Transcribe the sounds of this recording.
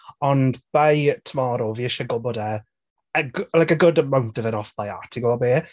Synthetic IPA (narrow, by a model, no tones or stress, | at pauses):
ɔnb̥ajtʰəmɔːɾoviɪʃəɡɔːboːdə | əɡlajkəɡʊdəmãwntəvɛnɔfb̥aja̰tʰiɡoːbeː